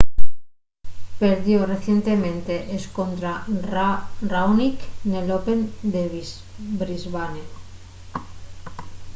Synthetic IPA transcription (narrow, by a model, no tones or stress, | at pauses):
peɾðjoreθjent̪e̞mẽnt̪eʔeskont̪ɾarrawniknelope̞nd̪eβ | bɾizβane